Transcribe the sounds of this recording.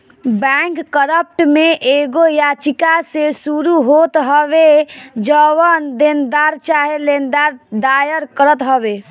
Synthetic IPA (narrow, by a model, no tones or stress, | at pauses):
bɛkːəɾəp̚ʈmeʔeɡojat͡ʃikasesuɾuɦot̪ɦəβed͡ʒəwənd̪end̪aɾt͡ʃaɦelend̪aɾd̪ajəɾkəɾət̪ɦəbe